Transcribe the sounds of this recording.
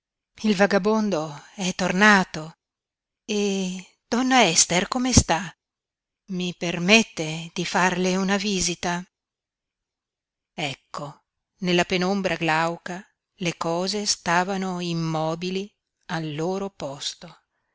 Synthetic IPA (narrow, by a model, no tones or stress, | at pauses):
ilvaɡabond̪oɛt̪ːornaːt̪o | e | d̪̥ɔnːaɛst̪erkomest̪a | mipermet̪ːed̪̥ifarleunaviːzit̪a | ɛkːo | nelːapenombɾaɡlawka | lekɔːzest̪aːvanoimːɔːbili | alːoːɾopɔst̪o